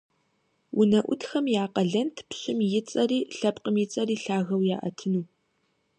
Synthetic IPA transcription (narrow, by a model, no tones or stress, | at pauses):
wʔʊnɐʔʷʊtxɐmjaːqɐɮɐntʰpɕɪmjɪt͡sʼɐriːɬɐpqəmjɪt͡sʼɐriːɬaːɣɐwjaːʔɐ̰tʰɨnuː